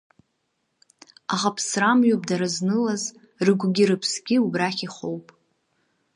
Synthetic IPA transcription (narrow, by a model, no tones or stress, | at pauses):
aχapʰsramɥopʼdaɾaznɨlaz | rɨɡʷɡʲiɾɨpʰsɡʲiubraχʲiχowpʼ